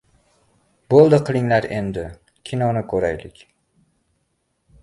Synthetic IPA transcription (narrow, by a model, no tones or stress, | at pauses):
bolˠd̪ɪqʰɨlˠɪŋlaɾe̞nd̪ɪ | kʲʰɪnɒnɪkʰɵɾajlɪkʲ